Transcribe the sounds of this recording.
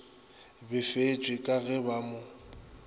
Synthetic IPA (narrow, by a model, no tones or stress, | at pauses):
bɪfet͡ʃʼwɪkʼaɣɛbamʊ